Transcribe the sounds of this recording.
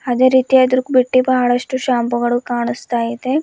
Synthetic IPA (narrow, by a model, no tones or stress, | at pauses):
ɐd̪eːɾiːt̪ijɐd̪ɾukbiʈːibɐɦɐɭɐʂʈuʃaːmpuɡɐɭukaːɳust̪aːjid̪e